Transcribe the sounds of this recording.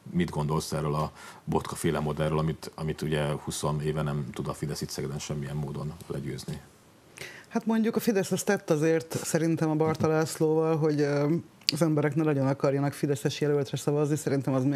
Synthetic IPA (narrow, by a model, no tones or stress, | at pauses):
mid̪ɡo̞nd̪o̞lsɛrːølɒ | bo̞t̪kɒfeːlɛmo̞d̪ɛrːolɒmit̪ɒmit̪uɟɛhuso̞neːvɛnɛmt̪ud̪ɒfid̪ɛsit̪sɛɡɛd̪ɛnʃɛmːiɛmːoːd̪o̞nlɛ̰ɟø̰ːzni | hat̪mo̞ɲɟukɒfid̪ɛsɛst̪ɛt̪ːɒzeːrt̪sɛɾint̪ɛmɒbɒrt̪ɒlaːsloːvɒlɦo̞ɟ | ɒzɛmbɛɾɛknɛnɒɟo̞nɒkɒrjɒnɒkfid̪ɛsɛʃjɛlølt̪rɛsɒvɒznisɛɾint̪ɛmɒzm